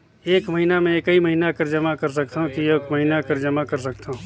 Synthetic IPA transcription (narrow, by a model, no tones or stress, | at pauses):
eːkmɐɦinamẽkɐɦimɐɦinakəɾd͡ʒɐmakɐɾsɐkt̪aɦũkiekmɐɦiːnakəɾd͡ʒəmakɐɾsɐk̚t̪aɦũː